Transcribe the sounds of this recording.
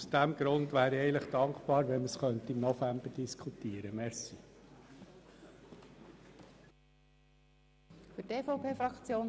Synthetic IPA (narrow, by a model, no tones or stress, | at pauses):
usd̥æmɡ̥ɾʊndʋæːɾiɛɪləχd̪̥ɑŋkpɑːɾʋɛnməsχœnt̪əimnɔfæmb̥əd̥iskʰut̪iːəɾəmɛɾsi | fʏteːfoʊpeːfɾɑkt͡sjoːn